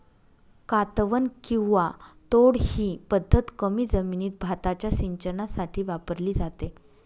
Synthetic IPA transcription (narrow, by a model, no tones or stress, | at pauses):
kat̪ʋənkĩw̃ʋat̪oɽhiːpəd̪ʱːət̪kəmiːd͡zəminiːt̪̚bʱat̪at͡ɕjasiɲt͡ɕənasaʈʰiːʋapəɾliːd͡zat̪e